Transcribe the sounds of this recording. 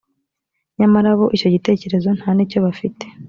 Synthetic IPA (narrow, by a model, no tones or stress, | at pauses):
ɲamaɾaβo̞ʔico̞ɟite̞ːce̞ɾe̞zo̞n̥haːnico̞βafite